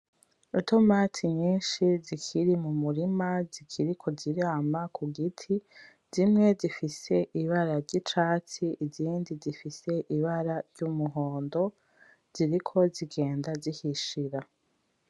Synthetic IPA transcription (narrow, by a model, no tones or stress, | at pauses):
utomaːtʰiɲiːnʃizikʰiɾimumuɾimazikʰiɾikʰo̞ziɾaːmakʰuɡitʰi | z̥imŋe̞zifise̞ʔiβaɾaɾɟit͡ʃaːt͡siʔiziːndizifise̞ʔiβaɾaɾɟumuɦo̞ːndo̞ | z̥iɾikʰo̞ziɡe̞ːndazihiʃiɾa